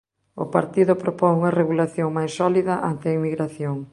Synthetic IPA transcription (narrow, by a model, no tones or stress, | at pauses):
ʊ̰paɾt̪iðʊpɾopɔŋuŋɐreɣulaθjoŋmajsːɔliðɐʔa̰nt̪ɪɐimiɣɾaθjoŋ